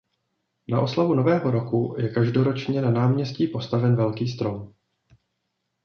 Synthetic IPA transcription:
naʔo̞slavuno̞vɛːɦo̞ɾo̞kujɛkaʒdo̞ɾo̞t͡ʃɲɛnanaːmɲɛsciːpo̞st̪avɛnvɛlkiːst̪ɾo̞m

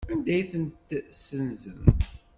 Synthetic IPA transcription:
ænd̪æjθənt̪sənzəm

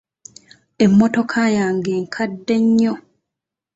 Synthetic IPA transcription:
emːɔtokʰajaŋɡeŋkʰadːeɲːo

